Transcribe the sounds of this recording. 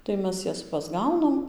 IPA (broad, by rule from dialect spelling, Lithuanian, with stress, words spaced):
tɐɪ ˈmʲɛs ˈjɛs pɐzˈɡɐʊnɐm